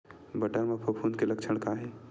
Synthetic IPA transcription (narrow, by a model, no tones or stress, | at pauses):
bəʈəɾmapʰopʰunkeləkt͡ʃʰəɽ̃kaɦe